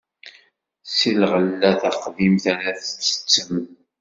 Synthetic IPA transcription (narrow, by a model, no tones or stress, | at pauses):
silʁəlːæθæqðimθæɾæθə̥t͡sːə̥t͡sːəm